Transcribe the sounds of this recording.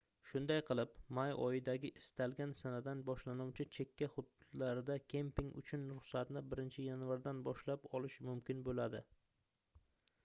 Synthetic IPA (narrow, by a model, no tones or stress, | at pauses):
ʃʊnd̪ajqʰɨlˠɪpmajɒ̰jɪd̪aɡʲɪʔɪst̪alˠɡʲansanad̪anbɒʃlanuwt͡ʃʰɪt͡ʃʰe̞kʲːaχʊd̪laɾɪd̪akʲʰe̞mpɪŋʊ̰t͡ʃʰʊnɾʊχsat̪nɪbɪɾɪnt͡ʃʰɪjanvaɾd̪anbɒʃlapɒlɪʃmʊmkʲɪnbolad̪ɪ̰